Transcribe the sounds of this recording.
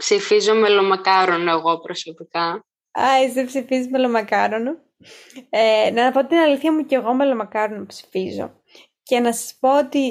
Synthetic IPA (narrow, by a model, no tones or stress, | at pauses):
psifizo̞melomɐkɐɾonoeɣo̞pɾoso̞pikɐ | ɐzðepsifizizmelo̞mɐkɐɾono | enɐpo̞t̪t̪inɐliθçɐmuce̞ɣo̞me̞lo̞mɐkɐɾonopsi̥fizo̞̰ | ce̞nɐsɐ̥spo̞ot̪i